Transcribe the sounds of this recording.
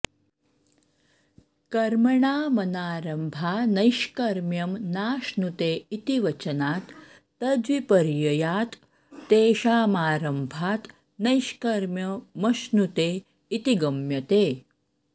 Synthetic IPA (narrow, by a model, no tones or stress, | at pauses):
kɐɾmɐɳaːmɐnaːɾɐmbʱaːnɐjʃkɐɾmjɐmnaːʃnut̪eːit̪iʋɐt͡ɕɐnaːt̪ː | ɐd͡zʋipɐɾjɐjaːt̪ː | eːʃaːmaːɾɐmbʱaːt̪ | nɐjʃkɐɾmjɐmɐʃnut̪e | it̪iɡɐmjɐt̪eː